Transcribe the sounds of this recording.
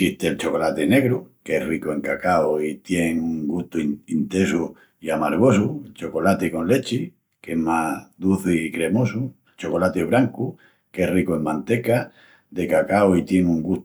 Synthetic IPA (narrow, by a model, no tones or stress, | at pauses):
siht̪eːlt͡ʃokolat̪ene̞ɣɾukeerikoe̞ŋkakaoit̪jeŋuŋɡuht̪uiint̪esu | iamaɾɣo̞suelt͡ʃokolat̪ikõ̞nle̞t͡ʃi | ke̞mad̪uθeikɾemo̞su | t͡ʃoko̞lat̪eoβɾaŋku | ke̞rikoemmãnt̪e̞ka | d̪ekakaoit̪je̞ŋuŋɡuht̪